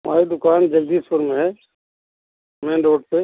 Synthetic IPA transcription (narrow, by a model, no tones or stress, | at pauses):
mʔa̰ːɾid̪ʊkaːnd͡ʒɐld̪isʊɾmeɦɛ | mɛ̃ɖoːʈpe